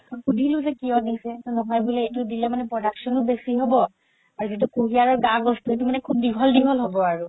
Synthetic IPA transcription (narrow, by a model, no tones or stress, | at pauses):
xudʱilʊ̃zɛkijɔdisɛtɔnɔɦɔjbulɛejtudilɛmanɛpɹɔdaksɔnʊbesiɦobɔ | aɹuzit̬ukuɦijaɹɔɹɡaɡɔstuet̬umanɛkʰub̚diɦɔldiɦɔlɦobɔaɹu